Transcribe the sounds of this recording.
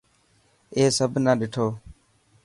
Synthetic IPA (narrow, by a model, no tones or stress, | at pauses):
eːsəbʱnaːɗɪʈʰoː